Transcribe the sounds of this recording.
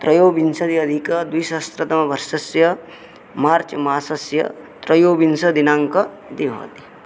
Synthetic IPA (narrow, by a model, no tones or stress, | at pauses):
t̪ɾɐjoːbinsɐd̪iɐd̪ʱikɐd̪ujsɐst̪ɾɐt̪ɐmɐbɐɾʃɐsjɐ | maːɾt͡ʃɐmaːsɐsjɐ̰ | t̪ɾɐjoːbinsɐd̪inaːŋkɐ | d̪ibʱo̰ːt̪i̥